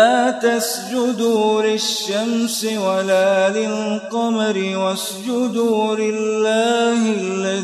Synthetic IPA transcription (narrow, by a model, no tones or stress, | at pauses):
aːt̪as | d͡ʒʊd̪uːlɪʃːamsɪwalaːlɪlqɑmɾɪwas | d͡ʒʊd̪ulɪlːaːhɪlːa